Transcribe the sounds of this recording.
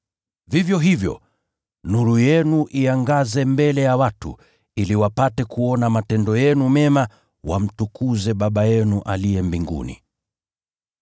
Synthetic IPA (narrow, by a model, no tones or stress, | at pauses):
vivjɔɦivjɔ̰ | nuɾujɛnuʔiaŋɡazɛmbɛlɛjawatṵ | iliwapatɛkuɔnamatɛndɔjɛnumɛma | wa̰m̩tukuzɛɓaɓajɛnuʔalijɛmbiŋɡṵnḭ